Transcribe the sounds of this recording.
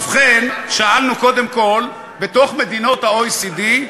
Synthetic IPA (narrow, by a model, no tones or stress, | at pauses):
fχenʃaalnuko̞d̪emko̞l | bet̪o̞χmed̪ino̞t̪haojsid̪i